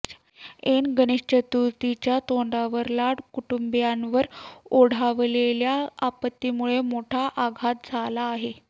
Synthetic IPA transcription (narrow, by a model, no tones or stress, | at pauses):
enɡəneɕt͡ɕət̪ut̪it͡ɕjat̪oɳɖ̪aʋəɾlaɽkuʈumbjanʋəɾoɽ̤aʋleljaapət̪ːimuɭemoʈʰaʔaɡʱat̪̚d͡zʱalaːɦe